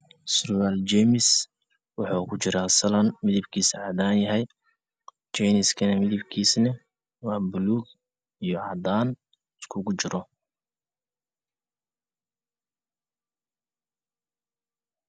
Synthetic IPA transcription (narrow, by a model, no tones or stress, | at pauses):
srʊwalt͡ʃɛmɪs | wɑħɑkʰʊt͡ʃɪɾaːsɐlɐnmɪðɪbkʰiːsʕɑd̪aːnjɐɦɛj | t͡ʃɛjnɪskʰɐnɐmɪðɪbkʰiːsnɐ | wɑːbʊluːɡ | ijɔʕɑd̪aːn | ɪskʰʊɣʊt͡ʃɪɾɔ